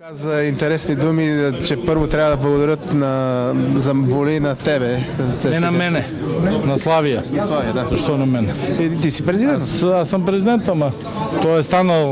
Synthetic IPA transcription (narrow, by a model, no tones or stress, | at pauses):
kazɐint̪ɛɾɛsnid̪umit͡ʃɛpɤɾvot̪ɾʲabɐd̪ɐblˠɐɡod̪ɐɾʲjət̪nɐzɐvolinɐt̪ɛbɛsɛɛnɐmɛnɛ | nɐslˠavijɐnɐslˠavijɐd̪azɐʃt̪ɔnɐmɛnɛɛt̪isipɾɛzid̪ɛt̪asːɐmpɾɛzid̪ɛnt̪amɐ | t̪ɔɛst̪anɐlˠ